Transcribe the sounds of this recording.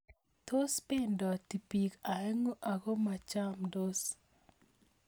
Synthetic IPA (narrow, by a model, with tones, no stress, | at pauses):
to˦spe˦ndɔ˨ti˨pi˨ka˨ɛ˦ŋo˦ʔa˨ɡo˦ma˨t͡ʃa˦mdo˦s